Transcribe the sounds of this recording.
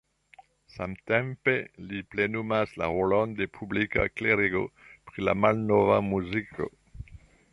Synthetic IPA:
samtempeliplenumaslaʁolonde̞pʰublika̰kleɾiɡo̞pɾila̰malnovamuzikʰo̞̰

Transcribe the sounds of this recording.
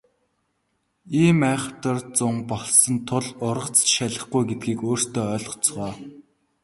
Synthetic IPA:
iːmæːχ̆ʰt̪ə̆rt͡sʊmpɔɮsɞ̆nt̪ʰʊɮʊɾʁə̆t͡sʃæɮə̆χɡujɡet̪̚ɡiːkoːr̥st̪ʰeːœːɮ̆t͡sʁœː

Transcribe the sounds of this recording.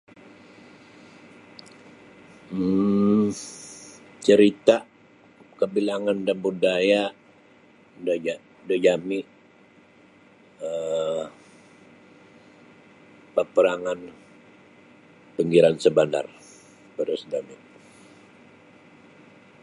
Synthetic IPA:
t͡ʃəɾit̪a | kəbilaŋandambudaja | da | dəd͡ʒamiʔ | ə | pəpəɾaŋan | pəŋɡiɾansəbanda̰r | bəɾəsdamɪʔ

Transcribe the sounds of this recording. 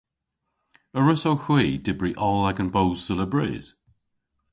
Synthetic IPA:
əɹəsowxwiːdɪbɹiʔɔlˠaɡə̃nbowz̥sələbɹɛ̰z̥

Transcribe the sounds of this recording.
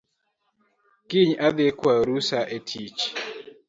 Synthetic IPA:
kɪɲad̪ekwaɾusaʔetʰit͡ʃ

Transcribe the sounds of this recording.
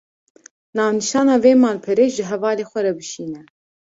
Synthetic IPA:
nɑːvnɨʃɑːnɑːveːmɑːlpʰɨɾeːʃʒɨɦɛvɑːleːxʷɛɾɛbɨʃiːnɛ

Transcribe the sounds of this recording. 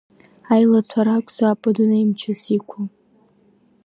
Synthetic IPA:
ajlatʷʰaɾakʷʼzaːpʼɨdunajmt͡ʃʰasikʷʰa

